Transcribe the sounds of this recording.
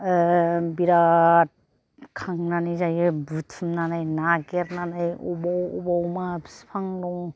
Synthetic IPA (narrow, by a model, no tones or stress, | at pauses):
biɾat̚ | kʰaŋnanizajebutʰɯmnanɯjnaɡeɾnanɯjɔbɔwɔbawmabspʰaŋɾɔŋ